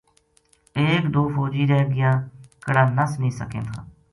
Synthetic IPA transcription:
eːkd̪oːfoːd͡ʒiːɾɛːɡɪjãːkəɽãːnəsnĩːsə̰kḛ̃ːt̪ʰã̰ː

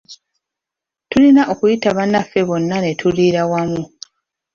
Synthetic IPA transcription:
tulinaʔo̞kujitaβanafːe̞βo̞nːane̞tʰuliɾawamu

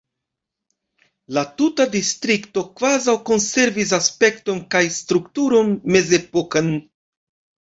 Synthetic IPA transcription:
latutadistɾikto̞kvazawko̞nse̞ɾvis̬aspe̞k̚to̞nkajstɾuktuɾo̞nme̞ze̞pokan

